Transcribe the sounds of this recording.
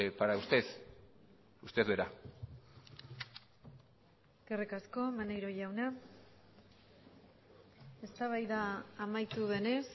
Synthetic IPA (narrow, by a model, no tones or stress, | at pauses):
paɾaust̪e̞s | ust̪e̞zβeɾa | ɡ̥erekasko̞manejɾo̞ʝawna | e̞st̪aβ̞ajðaːmajt̪uðe̞ne̞s